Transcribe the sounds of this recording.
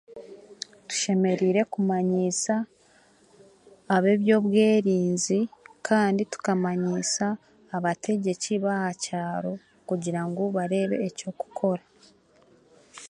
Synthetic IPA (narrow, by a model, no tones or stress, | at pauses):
tu̥ʃe̞me̞ɾiːɾe̞kumaɲisa | βe̞ːβjo̞ːβwe̞ːɾiːnzikʰaːnditu̥kamaɲisaː | βatʰe̞ɟe̞ciβahacaːɾo̞ | kuɟiɾaŋɡo̞βaɾe̞ːβe̞̰ːco̞ku̥kʰo̞ɾa